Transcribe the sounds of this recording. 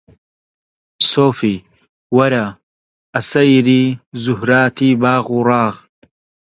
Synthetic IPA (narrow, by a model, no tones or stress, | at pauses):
soːfi | wɐɾa | ʔɐsɐjɾiːzʊhɾaːt̪iːbaːɣuɾˤɑːɣ